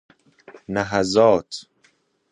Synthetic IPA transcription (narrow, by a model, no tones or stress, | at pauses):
næɦæzɒːt̪ʰ